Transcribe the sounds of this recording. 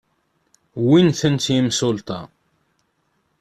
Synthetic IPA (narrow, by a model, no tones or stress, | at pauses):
winθənt̪jimsʊlt̪ɑ